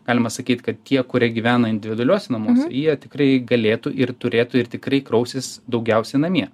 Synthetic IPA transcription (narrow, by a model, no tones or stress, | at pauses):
ɡɑːlʲɪmɐsɐkʲiːt̪ʲkɐt̪t̪ʲiɛkʊɾʲiɛɡʲiʋʲæːnɐɪnʲd̪ʲɪʋʲɪd̪ʊɐlʲoɔːsʲɛnɐmoːsʲɛ̰jiɛt̪ʲɪkrɐɪɡɐlʲeːt̪uʔɪrt̪ʊɾʲeːt̪ʊɪrt̪ʲɪkɾɐɪkɾɐʊsʲɪsd̪ɐʊɡʲɛʊsʲɛɪnɐmʲiɛ